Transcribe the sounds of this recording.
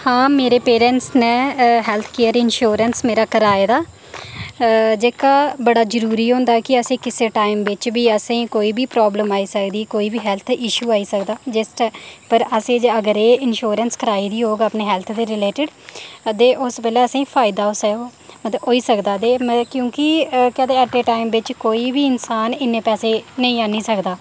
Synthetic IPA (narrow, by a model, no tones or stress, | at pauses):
hãːmeːɾeːpeːɾɛ̃ɳʈsnẽːɦɛːlt̪ʰkeːəɾɪnʃoːɾənsmeːɾaːkəɾaːeːd̪aː | d͡ʒeːkaːbəɽaːd͡ʒəɾuːɾiːɦõːnd̪aːkɪəsẽːkɪseːʈaːimʋɪt͡ʃbiːəsãĩːkoːiːbiːpɾɔːbləmaːiːsəkd̪iːkoːiːbiːɦɛːlt̪ʰɪʃuːaːiːsəkd̪aːd͡ʒɪsʈːpəɾəsẽːd͡ʒeəɡəɾeːɪnʃoːɾənskəɾaːiːd̪iːɦoːɡapneːɦɛːlt̪ʰd̪eːɾɪleːʈɪɖd̪eːʔʊsbeːleːəsãĩːpʰaːɪd̪aːʊsɛomət̪ləbɦoːiːsəkd̪aːd̪eːmkjõːkɪkɛːd̪eːəʈːeːʈaːɪmʋɪt͡ʃkoːiːbiːɪnsaːnɪnːẽːpɛːseːnə̃ĩːaːnĩːsəkd̪aː